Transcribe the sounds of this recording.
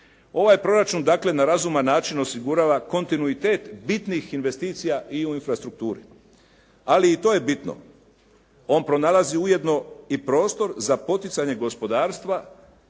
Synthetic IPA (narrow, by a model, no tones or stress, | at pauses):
o̞ʋajpɾo̞ɾat͡ʃund̪aːkle̞naɾazumanːaːt͡ʃino̞siɡuɾaːʋako̞nt̪inuit̪e̞ːt̪bit̪nixinʋe̞st̪iːt̪sijaʔiuinfɾast̪ɾuk̚t̪uːɾi | aliːt̪o̞ːje̞bit̪no̞̰ | o̞ːnpɾo̞nalˠaziuje̞d̪no̞ipɾo̞ːst̪o̞ɾzapo̞t̪it̪saɲe̞ɡo̞spo̞d̪aːɾst̪ʋa